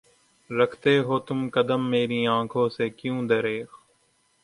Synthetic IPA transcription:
ɾəkʰt̪eːɦoːt̪ʊmkəd̪əmːeːɾĩːãːkʰõːseːkjũːd̪əɾeːx

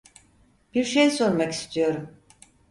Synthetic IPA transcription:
b̥iɾʃejso̞ɾmaki̥st̪ʰijo̞ɾum

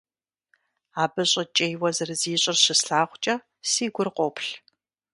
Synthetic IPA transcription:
aːbɨɕʼɐt͡ʃʼejwɐzɨrɨziːɕʼɪrɕɪsɬaːχʷt͡ʃʼɐ | siːɡʷʊrqʷɔpɬ

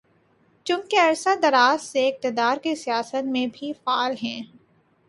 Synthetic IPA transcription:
t͡ʃʊ̃ːkeɐɾsad̪ɐɾaːsseɪk̚t̪ɪd̪aːɾkesijaːsət̪mẽbʱifaːlɦɛ̃ː

